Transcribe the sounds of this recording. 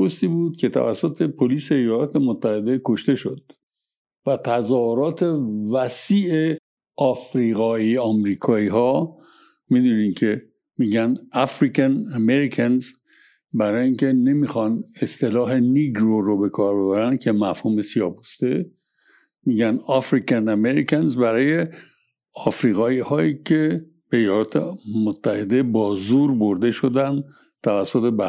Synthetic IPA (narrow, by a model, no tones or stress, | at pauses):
ost̪iːbuːd̪̥̚cʰe̞t̪ʰæ̰væ̰sːot̪ʰe̞pʰoliːse̞ːjɒlɒːt̪ʰe̞mot̪ʰːæhe̞d̪e̞kʰo̞ʃt̪e̞ʃo̞d̪̥ | væt̪ʰæzɒːhoɾɒːt̪ʰe̞væsiːe | ɒfɾiːɣɒːiɒmɾiːkʰɒːiːɦɒː | mid̪uːnincʰe̞ | miːɟænæfɾikʰænæmeɾikʰænz | bæɾɒːjiŋcʰe̞ne̞mixɒnest̪e̞lɒːɦe̞niɡɾoɾobe̞kʰɒːɾbe̞βæɾænd̪̥cʰe̞mæfhuːme̞siɒːbust̪e | miːɟænɒfɾicʰænæmeɾicʰænzbæɾɒːje̞ | ɒfɾiːɣɒːiːhɒːiːcʰe̞ | beejɒːlɒːt̪ʰḛmot̪ʰːæhe̞d̪e̞bɒːzuɾbo̞ɾd̪e̞ʃo̞d̪ænd̪ | t̪ʰævæsːot̪ebæ